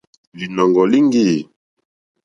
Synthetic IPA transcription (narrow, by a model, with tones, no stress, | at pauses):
li˨nɔ˨ŋɡɔ˨li˦ŋɡi˦˨